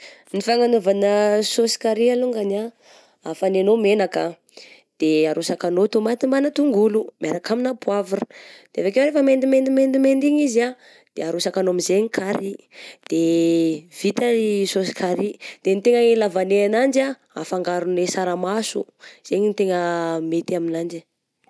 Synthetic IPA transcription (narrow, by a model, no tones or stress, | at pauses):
nifaŋanovanəsosi̥kaɾialuŋɡana | afanenomenakə | d̪̥eaɾusakanot̪omat̪imbanat̪uŋɡulumaɾakaminapuavuɾəd̪̥eaveakewɾefəmend̪imend̪imend̪imend̪iŋizia | d̪̥eaɾusakanoamizeɲikʰaɾi | d̪̥e | v̥it̪aisosi̥kʰaɾid̪̥enit̪eŋəelavaneanand͡ʒa | a̰faŋɡaɾunesaɾamasṵz̥eɲinit̪eŋəmet̪iaminand͡ʒa